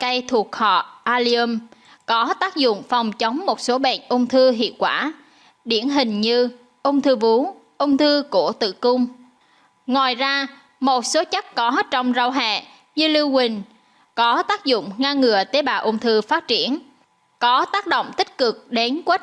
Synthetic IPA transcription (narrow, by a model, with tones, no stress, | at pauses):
ka˧jt̪ʰu˨˩ək̚hɔ̰˧˨ʔaː˧li˧ə˧m | kɔ˨˦t̪aː˦˥k̚zʊ̰˧˨ŋ͡mfa˨˩wŋ͡mt͡ɕə˨˦wŋ͡mmo˨˩t̚so˨˦ɓɛ̰˧˨nʔə˧wŋ͡mt̪ʰɨ˧ɦḭ˧˨əwkwaː˧˩ | ɗi˧˩ənɦï˨˩ŋ̟ɲɨ˧ | ʔə˧wŋ͡mt̪ʰɨ˧vu˨˦ | ʔə˧wŋ͡mt̪ʰɨ˧ku˧˩ət̪ɨ̰˧˨kʊ˧ŋ͡m | ŋa˨˩jzaː˧ | mo˨˩t̚so˨˦t͡ɕa˦˥k̚kɔ˨˦t͡ɕɔ˧wŋ͡mza˧wɦɛ̰˧˨ | ɲɨ˧li˧wwï˨˩ŋ̟ | kɔ˨˦t̪aː˦˥k̚zʊ̰˧˨ŋ͡mŋaː˧ŋɨ˨˩ət̪e˨˦ɓaː˨˩ʔə˧wŋ͡mt̪ʰɨ˧faː˦˥t̚t͡ɕi˧˩ən | kɔ˨˦t̪aː˦˥k̚ɗo̰˧˨wŋ͡mt̪ï˦˥k̟̚kɨ˨˩k̚ɗe˨˦nkwe˦˥t̚